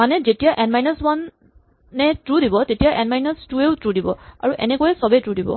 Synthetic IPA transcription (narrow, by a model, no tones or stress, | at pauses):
manɛzetijaʔɛnmajnaswanː | ɛtɹudibɔtetijaʔɛnmajnastueʊtɹudibɔ̰a̰ɹuʔɛ̰nɛkɔjɛsɔbɛtɹudibɔ̰